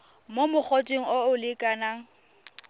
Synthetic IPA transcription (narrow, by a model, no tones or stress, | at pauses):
momʊk͡xʰot͡ʃʼeŋ̩oʊlɪkʼanaŋ̩